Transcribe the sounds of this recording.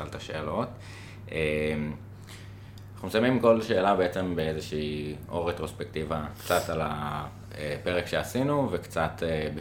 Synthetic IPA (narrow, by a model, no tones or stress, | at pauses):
alt̪aʃe̞ːlo̞t | em | naχnumesamimko̞lʃe̞ːlabeet͡se̞mbeezeʃiːʔo̞ʁet̪ʁo̞spekt̪ivakt͡sat̪ala | epeʁekʃe̞asinuvekt͡sat̪ebe